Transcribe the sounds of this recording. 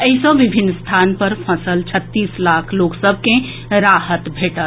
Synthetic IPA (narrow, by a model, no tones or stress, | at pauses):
əɦisə̃ʋibʱinːst̪ʰaːnpəɾpʰəsəlt͡ʃʰət̪ːiːslakʰloːksəbʱkẽ | ɾaɦət̪bʱeːʈət̪